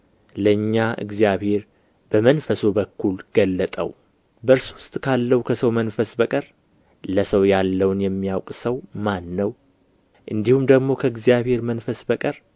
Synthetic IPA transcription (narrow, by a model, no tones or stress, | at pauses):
ləɨɲːaʔɨ̰ɡzijaβhe̞ɾ | bəmənfəsobəkʰːulɡ̥əlːət̪ʼə̰w | bəɾsuwʊst̪ʼkʰalːəwukʰəsəwmənfəsbəkʼəɾ | ləsəwjalːəwnjɛmːijawkʼsəwmanːəw | ʔɨnd̪ihumd̪əɡmo̞kʰəɨɡzijaβhe̞ɾmənfəsbəkʼəɾ